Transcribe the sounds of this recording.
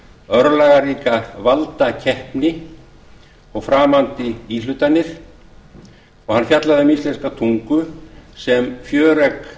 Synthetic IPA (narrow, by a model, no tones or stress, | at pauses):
œɾlaːɣaɾiːkavalt̪acʰɛhpnɪ | ɔɣfɾaːmant̪ɪilʏt̪anːɪɾ̥ | ɔɣhanfjat̪laðɪʏmist̪ɛnskat̪ʰuŋkʏsɛmfjœːɾɛk